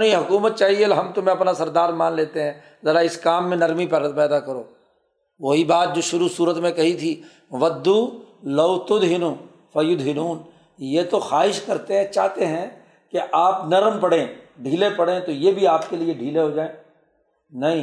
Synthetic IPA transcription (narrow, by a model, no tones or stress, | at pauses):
niɦʊkuːmət̪̚t͡ʃaːɦielɦɐmt̪ʊmẽɐpnasɐɾd̪aːɾmãːnleːt̪eɦɛ̃ː | zɐɾaɪskaːmːẽnɐɾmipɛpɛːd̪akɐɾoː | ʋoɦibaːt̪̚d͡ʒoːʃʊɾusuːɾət̪mẽkɐɦit̪ʰi | ʋɐd̪ːuːlɐʊt̪ʊd̪ɦɪnu | fɐjʊd̪ɦɪnuːn | jeːt̪oxaːɦɪʃkɐɾt̪eɦɛ̃t͡ʃaːt̪eɦɛ̃ | keʔaːpnɐɾmpɐɽẽːɖʱiːlepɐɽẽt̪ojebʱiaːpkelieɖʱiːleɦod͡ʒaːẽː | nɐɦĩ